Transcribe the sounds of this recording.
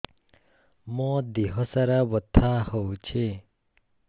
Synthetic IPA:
mɔ̃d̪iɦɔsaɾabɔt̪ʰːahɔwt͡ʃʰe

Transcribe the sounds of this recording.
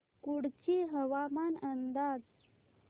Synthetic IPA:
kuɽt͡ɕiɦəʋamanənd̪ad͡z

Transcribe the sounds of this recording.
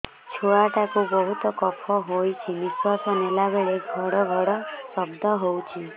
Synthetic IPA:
t͡ʃʰuɭaʈakubɔɦut̪ɔkɔpʰɔɦojt͡ʃʰiniswasɔnelabeɭeɡʱɔɽɔɡʱɔɽɔsɔbd̪ʱɔɦowt͡ʃʰi

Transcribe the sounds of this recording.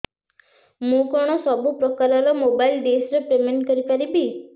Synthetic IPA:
mũkɔɽ̃ɔsɔbupɾɔkaɾɔɾɔmobajlɖ̪esɔɾepɾemeɳʈkɔɾipaɾibi

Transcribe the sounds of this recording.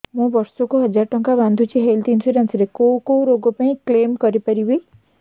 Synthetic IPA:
mũbɔɾsɔkuɦɔd͡ʒaɾʈɔŋkaband̪ʱut͡ʃʰiɦelt̪insiɾensɾekowkowɾoɡɔpaĩklemkɔɾipaɾibi

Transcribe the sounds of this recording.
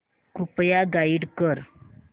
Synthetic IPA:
kupjaɡaiɽkəɾ

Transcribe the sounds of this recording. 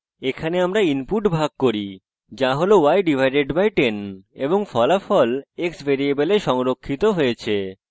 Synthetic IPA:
ekʰaneamɾainpuʈbʱaɡ̚koɾi | d͡ʑaɦolowajɖibʱajɖeɖbajʈeneboŋfɔlafɔleksbʱeɾiebeleʃɔŋɾokʰːit̪oɦojet͡ɕʰe

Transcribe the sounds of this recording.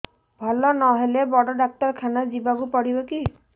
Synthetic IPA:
bʱɔlɔnɔɦelebɔɽɔɖak̚t̪ɔɾkʰanad͡ʒibakupɔɽibɔki

